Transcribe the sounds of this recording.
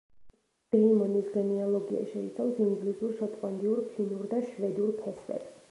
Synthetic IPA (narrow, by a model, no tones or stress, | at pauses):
d̥ɛimɔnisɡɛniɔlˠɔɡia̰ʃɛḭt̪sʰavsiŋɡlizuɾʃɔt̪ʼqʼand̪iuɾpʰinuɾd̪aʃvɛd̪uɾpʰɛsvɛ̰b̥s